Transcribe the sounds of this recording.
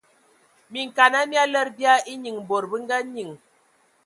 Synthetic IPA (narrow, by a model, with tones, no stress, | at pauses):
mi˨ŋ˨ka˨na˦mi˦a˦lə˦ɾbi˦a˦i˦ɲi˨ŋ˨bo˨ɾbə˦ŋ˦ɡa˦ɲi˨ŋ